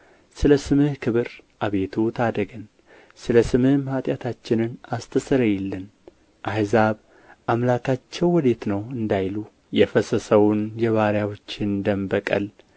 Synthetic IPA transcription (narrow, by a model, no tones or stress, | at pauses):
sɨləsɨmɨhkʰɨβɨɾʔaβe̞t̪ʰut̪ʰad̪əɡən | sɨləsɨmɨhmhat̪ʼjat̪ʰat͡ʃːɪnɨnast̪ʰɨsɨɾəjɛlːɨn | ʔahzaβ | ʔamlakʰat͡ʃːɛwːɔd̪e̞t̪nəwɨnd̪ajlu | jɛfəsəsəwʊnjɛβaɾjawot͡ʃːɪnd̪əmbəkʼə̰l